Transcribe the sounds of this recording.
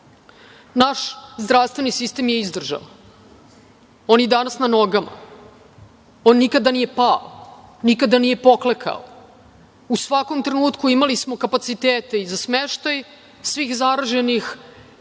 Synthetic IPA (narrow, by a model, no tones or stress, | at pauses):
naʃzd̪ɾaʋst̪vʋe̞nisist̪emjeizd̪r̩ʒa̰ | o̞njed̪anasnano̞ɡama̰ | onːikad̪anije̞pao̰nikad̪anije̞po̞klekʰa̰o̰ | usʋako̞mt̪ɾenuːt̪kuimalismo̞kapat̪sit̪eːt̪e̞izasmeʃt̪aj | sʋiːxzaɾaʒenix